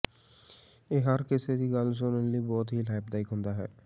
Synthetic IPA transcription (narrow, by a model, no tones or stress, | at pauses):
eːɦəɾkɪseːd̪iːɡəls̬onənliːbɔːt̪ɦiːlaːɪp̚d̪aːɪkɦʊ̃nd̪aːɦɛ̰ː